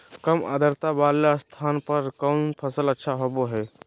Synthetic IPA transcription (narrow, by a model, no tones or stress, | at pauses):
kəma̰d̪ʱəɾt̪abalast̪ʰanpəɾkənpʰəsələtːʃʰaɦoboɦɛ